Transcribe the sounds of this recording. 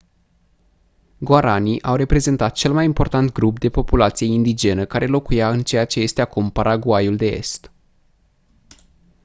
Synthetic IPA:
ɡoaɾaniʔawɾe̞pɾe̞ze̞nt̪at̪̚t͡ʃe̞lmajimpo̞rt̪ant̪ɡɾup̚d̪e̞po̞pulat̪sije̞ind̪id͡ʒe̞nəkaɾʔe̞lo̞kujaɨnt͡ʃe̞jat͡ʃe̞je̞st̪eakumpaɾʔaɡuajuld̪e̞e̞̰st̪

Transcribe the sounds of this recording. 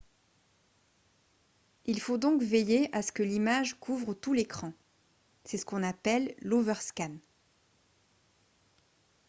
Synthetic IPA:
ilfod̪ɔ̃kvejeʔasə̥kəlimaʒkʰuvʁət̪ulekχɑ̃ | sɛsə̥kɔ̃napɛlːovœʁskʲan

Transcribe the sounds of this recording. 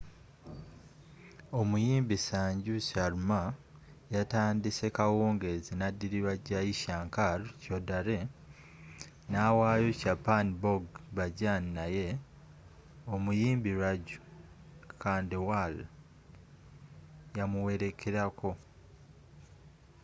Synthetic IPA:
o̞mujiːmbisaːɲɟusaɾuma | jataːndise̞kawoːŋɡe̞zinadːiɾiβaɟajiʃaːŋkaɾcodaɾe̞ | nawaːjo̞capaniboɡβaɟaninaje̞ | omujiːmbiɾaɟu̥ | kaːndiwal | jamuwe̞ɾe̞kʰeɾako̞

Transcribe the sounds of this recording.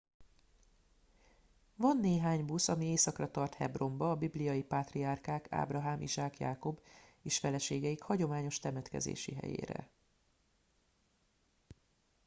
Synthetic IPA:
vɒnːeːɦaːɲbusɒmieːsɒkrɒt̪ɒrt̪hɛ̰bro̞mbɒːbiblijɒjipaːt̪riarkaːkʰa̰ːbrɒɦaːmʔḭʒaːkja̰ːko̞beːʃfɛlɛʃeːɡɛikhɒɟo̞maːɲo̞ʃt̪ɛmɛt̪kɛ̰zḛːʃḭɦɛ̰jḛːɾɛ̰

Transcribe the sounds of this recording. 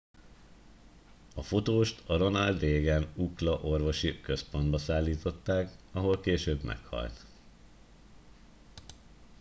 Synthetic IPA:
ɒfo̞t̪oːʃt̪ɒɾo̞nɒld̪reːɡɛnuklɒʔo̞rvo̞ʃikø̞spo̞nd̪bɒsaːlːiːt̪o̞t̪ːaːkɒɦo̞lkeːʃøːbmɛ̰khɒ̰lt̪

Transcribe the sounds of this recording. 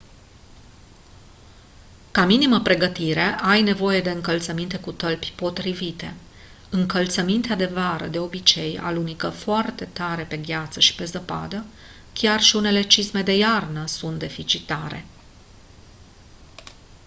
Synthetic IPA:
kaminiməpɾe̞ɡət̪iɾe̞ʔajne̞vo̞je̞d̪e̞ɨŋkəlt̪səmint̪e̞kut̪əlpʲpo̞t̪ɾivit̪e̞ | ɨŋkəlt̪səmint̪ead̪e̞vaɾə̰d̪e̞o̞bit͡ʃe̞ja̰lunikəfoart̪e̞t̪aɾe̞pe̞ɡʲat̪səʃi̥pe̞zəpa̰d̪ə | kʲarʃiune̞le̞t͡ʃisme̞d̪e̞jarnəsunt̪̚d̪e̞fit͡ʃit̪aɾe̞̰

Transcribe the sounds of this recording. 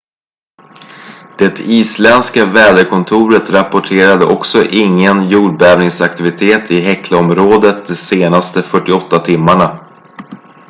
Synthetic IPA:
d̪̥ɛt̪ʰiːslɛnskavɛːd̪əɾkʰɔnt̪ʰuːɾət̪ɾapɔʈʰeːɾad̪əʔɔksɔʔɪŋːənjuːɖbɛːvnɪŋsakt̪ɪvɪt̪ʰeːt̪ɪɦɛkʰləɔmɾoːd̪ət̪̚d̪ɛseːnast̪əfœʈːɪɔt̪ːat̪ʰɪmːaɳa

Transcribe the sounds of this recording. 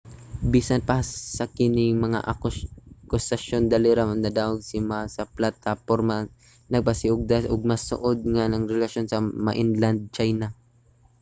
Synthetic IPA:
biːsanpɐsɐkɪnɪŋmɐŋa̰ʔa | kʊsɐʃond̪alɪɾamɐnnːɐd̪awaɡ̚sɪmasɐplat̪apoɾma | nɐɡ̚pɐsɪʔʊɡ̚d̪asʊɡ̚mɐsʊ̰ʔod̪̚ŋanɐŋɾɛlasjonsɐmaʔɪnland̪̚t͡ʃajna

